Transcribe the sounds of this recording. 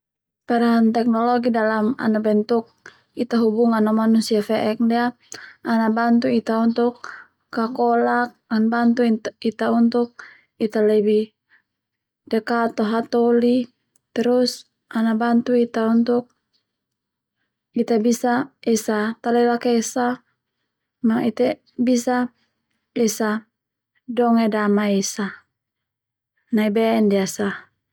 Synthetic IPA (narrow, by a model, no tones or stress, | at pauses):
paɾaɦant̪ɛk̚nɔlɔɡidalama̰nabɛnt̪uk̚ | it̪aɦubuŋanɔmanusiafɛʔɛk̚dɛa | anabant̪uit̪aunt̪ukː | akɔlak̚anbant̪uit̪aunt̪uk̚ | it̪alɛbi | dɛkat̪ɔɦat̪ɔli | t̪ɛɾus | anabant̪uit̪aunt̪uk̚ | it̪abisaesat̪alɛlakesa | mait̪ɛ | bisa | esa | dɔŋedamaesa | naibɛndiasa